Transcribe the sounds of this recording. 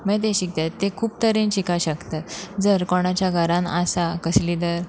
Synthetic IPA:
mɛd̪eɕik̚t̪at̪ːekʰuːp̚t̪əɾẽnt͡ɕikaɕəkt̪at̪d͡zəɾkɔɽ̃at͡ɕjaɡʱəɾãnasakəslid̪əɾ

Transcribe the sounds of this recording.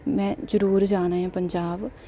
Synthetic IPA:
mɛ̃ːd͡ʒəɾuːɾd͡ʒaːnaːɦãːpəɲd͡ʒaːb

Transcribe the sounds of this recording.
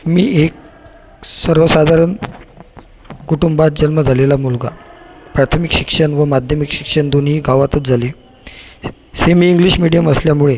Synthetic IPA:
miːek̚ | səɾʋəsad̪ʱaɾən | kuʈumbat̪̚d͡ʑənməd͡zʱalelamulɡa̰pɾat̪ʰəmikɕikʂəɳʋəmad̪ʱjəmikɕi̥kʂəɳd̪onɦiːɡaʋat̪ət͡s̪d͡zʱale | semiːŋɡliɕmiɽijəməsljamuɭe

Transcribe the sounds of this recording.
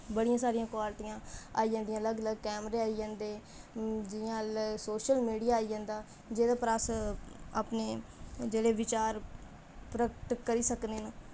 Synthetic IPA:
bəɽijãːsaːɾijãːkwaːɾʈĩãːaːijãːnd̪ijãːələɡələɡkɛːmɾeaːijãːnd̪eː | d͡ʒɪjãːləɡsoːʃəlmiːɽijaːid͡ʒãːnd̪aː | d͡ʒeːd̪aːpɾasaːpneːd͡ʒeːɽeːʋɪt͡ʃaːɾ | pɾəkʈ̪kəɾiːsəkneːnaː

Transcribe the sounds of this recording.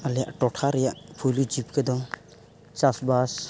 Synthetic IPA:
alɛja̰ʔʈɔʈʰaɾɛjaʔpʰujlud͡ʒip̚kʰədɔ | t͡ʃasbas

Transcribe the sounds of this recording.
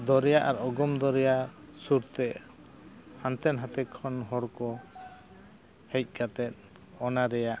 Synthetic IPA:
d̪ɔɾɛjaʔaɾɔɡɔmd̪ɔɾɛjasuɾt̪ɛʔ | hant̪ɛnɦat̪ɛkʰːɔnɦɔɽkɔ | hɛc̚ˀkat̪ɛt̪̚ | ɔnaɾɛjaʔ

